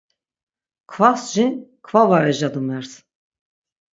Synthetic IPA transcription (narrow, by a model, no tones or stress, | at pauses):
kʰvasʒinkʰvavaɾɛʒad̪umɛɾs